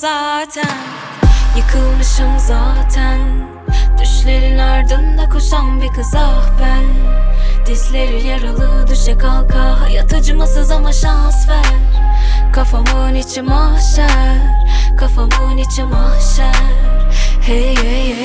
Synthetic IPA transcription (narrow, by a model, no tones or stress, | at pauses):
zaːt̪ʰæn | jɯkʰɯlˠmɯʃɯmzaːt̪ʰæn | d̪̥yʃlʲe̞ɾinaɾd̪ɯnd̪akʰoʃanbikʰɯzahbæn | d̪̥islʲeɾijaɾɯlˠɯd̪yʃɛkʰalˠkʰajat̪ʰɯd͡ʒɯmasɯzamaʃansvæ | ɾ | kʰafamɯnit͡ʃʰimaʃɛɾkʰafamɯnit͡ʃʰimaʃæɾhee